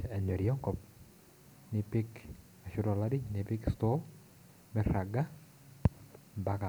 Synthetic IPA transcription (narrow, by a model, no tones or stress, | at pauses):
ɛɲɔɾiɔŋkɔp | nɪpɪk | aʃʊɾɔladinipɪkst̪ɔ | mɛɾaɡa | mbaka